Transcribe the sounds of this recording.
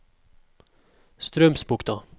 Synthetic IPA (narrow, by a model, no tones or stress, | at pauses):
st̪ɾœmsbuːk̚d̪ɔ